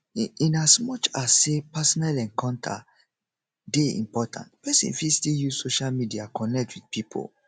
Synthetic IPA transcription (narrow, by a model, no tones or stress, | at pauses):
ĩnasmɔt͡ʃasːepasɔnalɛ̃ŋkãʊ̃ntʰa̰ | deḭ̃mpɔtʰã̰ntpɛsḭ̃nfistiljusoʃalmidiakʰɔ̃nɛk̚tʰwidpipʰo̰l